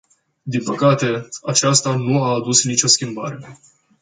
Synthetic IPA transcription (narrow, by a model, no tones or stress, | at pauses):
d̪inpəkat̪e̞at͡ʃast̪anuaːd̪usnit͡ʃʲo̞skʲimba̰ɾe̞